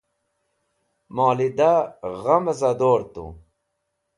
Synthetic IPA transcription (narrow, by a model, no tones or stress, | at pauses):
mɑːlid̪aɣamɐzad̪oːɾt̪ṵ